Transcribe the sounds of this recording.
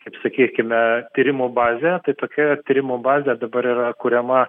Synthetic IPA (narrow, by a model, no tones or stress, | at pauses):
kɐɪpsɐkʲiːkʲɪmʲɛt̪ʲiːɾʲɪmuːbɑːzʲet̪ɐɪt̪oːkʲɛt̪ʲiːɾʲɪmuːbɑːzʲed̪ɐbɐɾiːɾɐkuːɾʲɛmɐ